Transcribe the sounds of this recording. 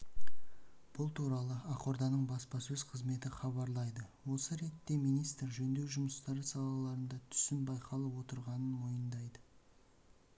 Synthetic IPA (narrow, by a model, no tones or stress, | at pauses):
b̥ʊlˠt̪ʰuɾɑlˠəɑqo̞ɾd̪ɑnəɴbɑspɑsɵz̥qʰəzme̞t̪ɪχɑβɑɾlˠɑjd̪əwo̞səɾe̞t̪ːe̞mijnijst̪əɾʒɵnd̪e̞wʒʊməst̪ɑɾəsɑlˠɑlˠɑɾənd̪ɑt̪ʰʏ̥sɪnbɑjqʰɑlˠəwo̞t̪əɾʁɑnənwo̞jənd̪ɑjd̪ə